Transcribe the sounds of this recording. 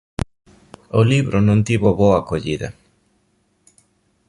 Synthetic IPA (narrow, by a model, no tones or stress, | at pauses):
oliβɾʔonõnt̪iβoβoakoʎiðɐ̰